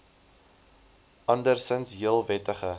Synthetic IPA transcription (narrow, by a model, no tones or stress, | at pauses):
ʔɐndərsənsɦiəlˠvɛtəχə